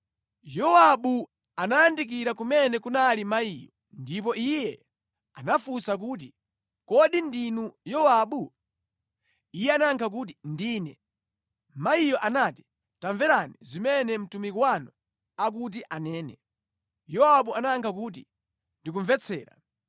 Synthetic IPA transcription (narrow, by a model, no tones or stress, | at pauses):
jɔwaɓu | anajandik̬iɾakumɛnɛkunalimaijɔ | ndip̬ɔijɛ | anafusak̬uːt̬i | kɔɗindinujɔwaːɓu | ijɛanaŋkʰak̬ut̬indiːnɛ | maijɔʔanati̥ | taɱvɛɾanizimɛnɛm̩tumikwanɔ | ak̬ut̬iʔanɛːnɛ | jɔaɓuanaŋkʰak̬ut̬ḭ | ndik̬uɱvɛt͡sʰɛ̰ːɾa̰